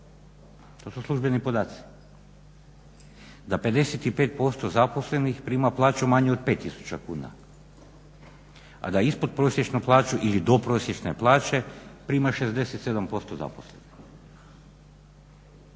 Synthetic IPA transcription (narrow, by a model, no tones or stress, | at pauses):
t̪o̞suslˠuʒbe̞nipo̞d̪aːt̪si̥ | d̪ape̞d̪e̞set̪ipeːt̪̚po̞st̪ozapo̞sle̞nixpɾiːmaplˠaːt͡ɕumaɲeod̪̚pet̪ːisu̥t͡ɕakṵːna̰ | a̰d̪aispod̪̚pɾo̞sʲjet͡ʃnuplˠaːt͡ʃuʔilid̪o̞pɾo̞ːsjet͡ʃne̞plˠaːt͡ɕe̞pɾiːmaʃe̞zd̪e̞set̪se̞d̪ampo̞st̪o̞za̰posle̞nix